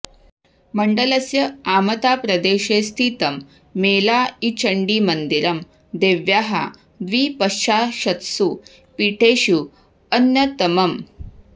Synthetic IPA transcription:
mɐɳɖɐlɐsjɐaːmɐt̪aːpɾɐd̪eːʃeːst̪ʰit̪ɐmː | eːlaːit͡ʃʰɐɳɖimɐnd̪iɾɐm | d̪eːʋjaːɦɐ̰ | d̪ʋiːpɐʃt͡ʃaːʃɐt̪su | piːʈʰeːʃu | ɐnjɐt̪ɐmɐm

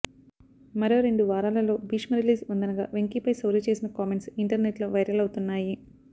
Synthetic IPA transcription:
mɐɾo̞ːɾeɳɖuʋaːɾaːlɐlo̞ːbiːʂmɐɾiliːzund̪ɐnɐɡa̰ːʋeŋkipɐjsɐwlɐt͡ʃe̞ːsinɐkaːme̞ɳʈsiɳʈɐɾneʈloːʋɐjɾjɐlɐwut̪unːaːji

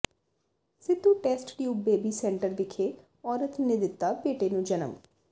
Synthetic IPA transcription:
sɪd̪ːuːʈɛːsʈʈjuːp̚beːbiːsɛ̃ːɳʈəɾʋɪkʰeː | ɔːɾət̪ned̪ɪt̪ːaːpeːʈeːnũːd͡ʒənə̰m

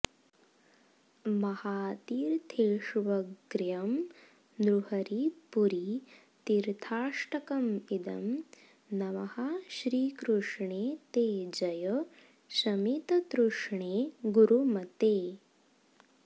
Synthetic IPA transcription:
mɐhaːt̪iːɾt̪ʰeːʂʋɐɡɾjɐm | d̪ɾuhɐɾipuɾi | t̪iɾt̪ʰaːʂʈɐkɐmid̪ɐm | nɐmɐhɐʃɾiːkɾuʂɳeːt̪eːd͡ʒɐjɐ | sɐmit̪ɐt̪ɾuʂɳeːɡuɾumɐt̪eː

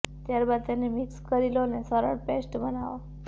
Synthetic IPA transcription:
t̪jaɾbad̪̚t̪enemɪkskəɾilonesəɾə̰ɽpesʈbənaʋo

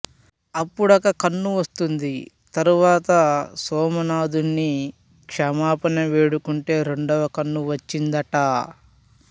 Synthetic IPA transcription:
ɐpːuɽɐkɐkɐnːuʋɐst̪und̪i | t̪ɐɾuʋaːt̪ɐsɔːmɐnaːd̪unːi | kʂɐmaːpɐnɐʋe̞ːɽukuɳʈe̞ːɾe̞ɳɖɐʋɐkɐnːuʋɐt͡ʃːind̪ɐʈa

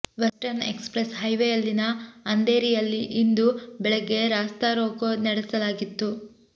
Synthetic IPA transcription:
ʋɐsʈɐɾnḛkspɾesɦɐjʋejɐlːinɐːnd̪eːɾijɐlːiʔind̪ubɛɭɛɡːe̞ɾaːst̪aɾoːkonɐɽɛsɐlaːɡit̪ːu

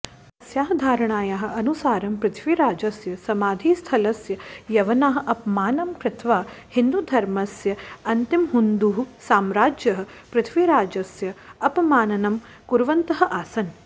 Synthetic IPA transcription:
ɐsjaːɦɐ̆d̪ʱaːɾɐɳaːjaːɦɐ̆ɐnusaːɾɐmpɾɪt̪ʰʋiɾaːd͡ʒɐsjɐsɐmaːd̪ʱiːst̪ʰɐlɐsjɐjɐʋɐnaːɦɐ̆ʔɐpmaːnɐmkɾɪt̪ʰʋaːhind̪ud̪ʱɐɾmɐsjɐɐnt̪imɦund̪uɦusaːmɾaːd͡ʒjɐɦɐ̆pɾɪt̪ʰʋiɾaːd͡ʒɐsjɐɐpɐmaːnɐnɐm | kuɾʋɐnt̪ɐɦɐ̆ʔaːsɐn

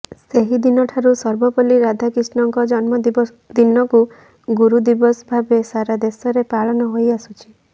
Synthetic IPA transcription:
seɦid̪inɔʈʰaɾusɔɾbɔpɔliɾad̪ʱakɾisnɔŋkɔd͡ʒɔnmɔ | d̪inɔku | ɡuɾud̪ibɔsbʱabesaɾad̪esɔɾepaɭɔnɔɦojasut͡ʃʰi̥

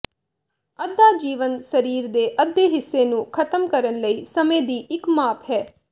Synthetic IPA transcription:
əd̪ːaːd͡ʒiːʋənsəɾiːɾd̪eːʔəd̪ːeːɦɪsːeːnũːkʰət̪əmkəɾənləiːsəmẽːd̪iːʔɪkmaːpʰɦɛː

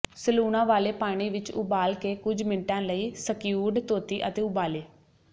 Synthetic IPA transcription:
səluːnãːʋaːleːpaːɽ̃iːʋɪt͡ʃʊ̰baːlkeːkʊd͡ʒmɪnʈãːləiːsəkjuːɖt̪oːt̪iːʔət̪eːʊbaːleː

